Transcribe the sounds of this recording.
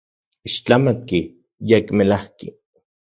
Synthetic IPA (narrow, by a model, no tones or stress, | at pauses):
iʃt͡ɬamaki | jekmelahkḭ